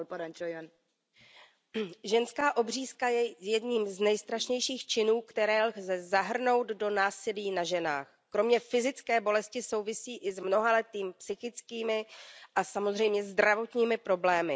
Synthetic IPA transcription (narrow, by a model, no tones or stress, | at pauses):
lpaɾant͡ʃojɛn | ʒɛnskaːʔo̞briːskajɛjɛdɲiːmznɛjst̪ɾaʃɲɛjʃiːxt͡ʃɪnuːkt̪ɛɾɛːlxzɛzaɦr̩no̞wd̪do̞naːsɪliːnaʒɛna̰ːx | kɾo̞mɲɛfɪzɪt͡skɛːbo̞lɛscɪso̞wvɪsiːʔɪzmno̞ɦalɛt̪iːmpsɪxɪt͡skiːmɪʔasamo̞zr̝ɛjmɲɛzd̪ɾavo̞t̪ɲiːmɪpɾo̞blɛːmɪ̰